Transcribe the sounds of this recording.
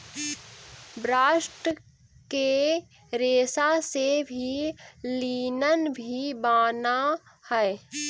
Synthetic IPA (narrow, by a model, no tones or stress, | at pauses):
bɾaːʃʈə | ke | ɾeːsasebʱiliːnənbʱibaːna | hɛe